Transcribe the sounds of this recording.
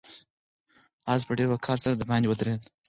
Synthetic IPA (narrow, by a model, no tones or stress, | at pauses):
ɑzpəɖeɾakʰɑɾsaɾad̪əbɑndʲwəd̪ɾed̪